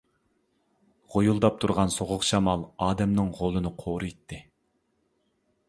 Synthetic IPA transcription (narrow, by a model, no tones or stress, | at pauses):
ʁojulˠd̪ɑp̚t̪ʰuɾʁɑnsoʁʊqʃɑmɑlˠɑːd̪ɛmnɨŋʁolˠɨnɨqʰoːɾɨjt̪ʰːɪ